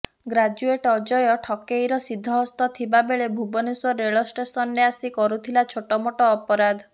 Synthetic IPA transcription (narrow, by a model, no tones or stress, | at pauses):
ɡɾad͡ʒueʈɔd͡ʒɔjɔʈʰɔkejɾɔsid̪ʱːɔɦɔst̪ɔt̪ʰibabeɭebʱubɔniswɔɾeɭɔsʈesɔnːeasikɔɾut̪ʰilat͡ʃʰoʈɔmoʈɔːpɔɾad̪ʱ